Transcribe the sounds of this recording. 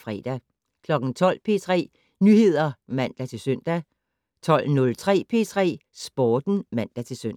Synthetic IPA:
fʁɛ̰ːd̥æ | kʰlɒ̽ɡ̥n̩t͡sʰɒ̽l̰pʰe̝ːt͡sʰʁɛ̰ː | nyhe̝ð̞̰ˠɐmæn̰d̥æt͡sʰe̝lsøn̰d̥æ | t͡sʰɒ̽l̰nɔ̽lt͡sʰʁɛ̰ːpʰe̝ːt͡sʰʁɛ̰ːsb̥ɒːd̥n̩mæn̰d̥æt͡sʰe̝lsøn̰

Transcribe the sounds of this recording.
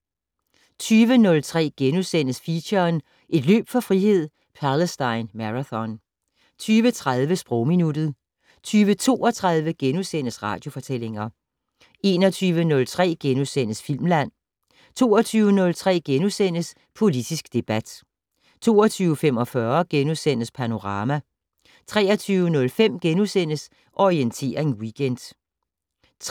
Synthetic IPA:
t͡sʰyːʋənɔ̽lt͡sʰʁɛ̰ːɡ̥enusen̰əsfiɕɐːn | ʔe̝d̥lø̰ːb̥fɒfʁihe̝ð̞̰ˠ | pʰæləsd̥ɑ̈ɪnmæʁaθɒ̽n | t͡sʰyːʋət͡sʰʁað̞ˠʋəsb̥ʁɔʊminud̥ð̞̩ˠ | t͡sʰyːʋət͡sʰo̝̰ːɒ̽t͡sʰʁað̞ˠʋəɡ̥enusen̰əsʁɑ̈ːd̥jo̝fɒ̽t͡sʰel̰e̝ŋɐ | e̝ːnɒ̽t͡sʰyːʋənɔ̽lt͡sʰʁɛ̰ːɡ̥enusen̰əsfil̰mlæn̰ | t͡sʰo̝̰ːɒt͡sʰyːʊənɔ̽lt͡sʰʁɛ̰ːɡ̥enusen̰əs | pʰo̝lid̥isɡ̥d̥e̝b̥æd̥ | t͡sʰo̝̰ːɒt͡sʰyːʊəfemɒ̽fɶɐɡ̥enuðˠsen̰əspʰæno̝ʁɑ̈ːmæ | t͡sʰʁɛːɐt͡sʰyːʊənɔ̽lfem̰ɡ̥enusen̰əs | ʔɒʁient͡sʰe̝̰ːɐe̝nwiɡ̥ʰend̥

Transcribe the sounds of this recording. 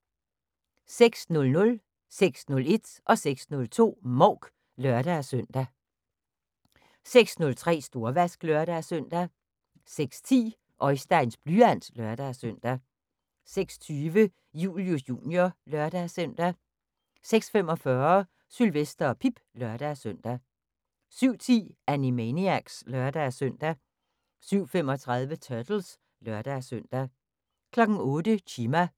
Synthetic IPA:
seɡ̥snɔ̽lnɔ̽l | seɡ̥snɔ̽le̝d̥ʔɒ̽seɡ̥snɔ̽lt͡sʰo̝̰ːmɒʊɡ̥ | lœɐɾ̥æsøn̰d̥æ | seɡ̥snɔ̽lt͡sʰʁɛ̰ːsd̥o̝ɐʋæsɡ̥lœɐɾ̥æsœn̰d̥æ | seɡ̥st͡sʰḭː | ʔɒ̽ɪsd̥æɪnsb̥lyæn̰slœɐd̥æsøn̰d̥æ | seɡ̥st͡sʰyːʋə | jṵːljosjṵːnjolœɐd̥æsœn̰d̥æ | seɡ̥sfemɒ̽fɶːɐ | sylʋesd̥ɐɒ̽pʰib̥lœɐd̥æsøn̰d̥æ | syʊ̰t͡sʰḭːænimeniæɡ̥slɶɐd̥æsøn̰d̥æ | syʊ̰femɒ̽t͡sʰʁað̞ˠʋət͡sʰœɐd̥l̩s | lɶɐd̥æsøn̰d̥æ | kʰlɒ̽ɡ̥n̩ɔ̽ːd̥əɕʰiːmæ

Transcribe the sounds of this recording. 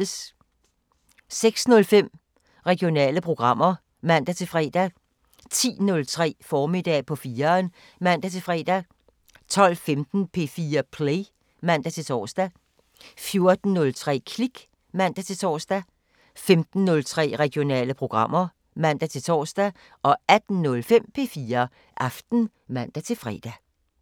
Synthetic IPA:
s | seɡ̥snɔ̽lfem̰ | ʁɛɡ̥ijo̝nɛ̰ːləpʰʁo̝ɡ̥ʁɑ̈m̰ɐ | mæn̰d̥æt͡sʰe̝lfʁɛ̰ːd̥æ | t͡sʰḭːnɔ̽lt͡sʰʁɛ̰ːfɒːmid̥ɛ̰ːpʰɒ̽fiːɐːn | mæn̰d̥æt͡sʰe̝lfʁɛ̰ːd̥æ | t͡sʰɒ̽l̰femd̥n̩pʰe̝fiːɐpʰle | mæn̰d̥æt͡sʰe̝t͡sʰɒ̰ːsd̥æ | fjo̝ɐd̥n̩ːɔ̽lt͡sʰʁɛ̰ːkʰliɡ̥ | mæn̰d̥æt͡sʰe̝t͡sʰɒ̰ːsd̥æ | femd̥n̩ːɔ̽lt͡sʰʁɛ̰ːʁɛɡ̥jo̝nɛ̰ːləpʰʁo̝ɡ̥ʁɑ̈m̰ɐ | mæn̰d̥æt͡sʰe̝lt͡sʰɒ̰ːsd̥æ | ʔɒ̽æd̥n̩nɔlfem̰pʰe̝̰ːfiːɐ | ʔɑ̈fd̥n̩ | mæn̰d̥æt͡sʰe̝lfʁɛ̰ːd̥æ

